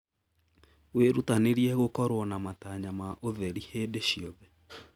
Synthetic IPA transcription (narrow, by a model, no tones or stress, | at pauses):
weɾutaneɾiɛɣokɔɾwɔnamataɲamaʔoðɛɾihedeʃiɔðɛ